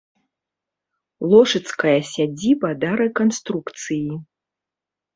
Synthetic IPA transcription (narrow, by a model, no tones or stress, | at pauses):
lˠɔʂɨt̪skɐjɐsʲad͡zʲibɐd̪ɐɾɛkanst̪ɾukt̪sɨji